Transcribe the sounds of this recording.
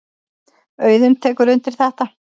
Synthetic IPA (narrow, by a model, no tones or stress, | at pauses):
œːɥðʏnt̪ʰɛːkʏɾʏnt̪ɪɾ̥θɛht̪a